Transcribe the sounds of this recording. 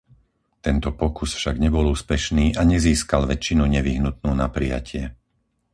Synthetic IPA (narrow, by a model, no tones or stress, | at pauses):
t̪ɛnt̪ɔpɔkusfʃaɡɲɛbɔluːspɛʃniːʔaɲɛziːskalʋɛt͡ʃːinuɲɛʋiɦnut̪̚nuːnapɾija̰cʰɪɛ